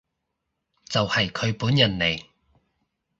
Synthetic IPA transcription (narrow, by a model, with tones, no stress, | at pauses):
t͡sɐ˨whɐ˨jkʰɵ˨˧ɥpuː˨˥njɐ˨˩nle˨˩j